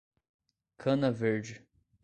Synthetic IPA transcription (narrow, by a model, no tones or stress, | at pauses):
kʰɐ̃nɐveɾd͡ʒɪ